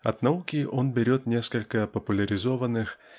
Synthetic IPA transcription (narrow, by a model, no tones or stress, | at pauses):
ɐd̪naukʲiʔɔnbʲɪɾʲɔt̪nʲeskɐlʲkɐpɐpulʲɐɾʲɪzɔvɐnɨx